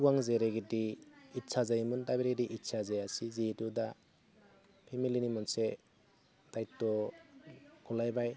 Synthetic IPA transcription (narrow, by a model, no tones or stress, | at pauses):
uwaŋzeɾeɡidiːtsazajmɯndabeɾɡediʔitsazajasizituda | pʰemilinimɔnse | d̥ajtːɔ | ɡɔlajbaj